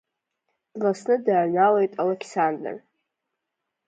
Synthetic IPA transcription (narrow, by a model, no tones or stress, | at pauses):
d̥lasnɨdanalejtʼalekʰsandə̰r